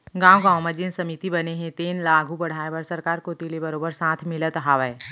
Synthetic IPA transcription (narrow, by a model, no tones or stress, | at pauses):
ɡãːwɡãːwməd͡ʒɪnsɐmit̪ibɐneɦɛ̃t̪eːnlaːɡʱubɐɽ̤aːeʋəɾsəɾkaːɾkot̪ilebɐɾoːbəɾsãːt̪ʰmɪlət̪ɦaʋɛː